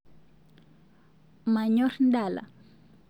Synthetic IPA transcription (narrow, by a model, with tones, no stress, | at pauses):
ma˨ɲɔɾndala̰˨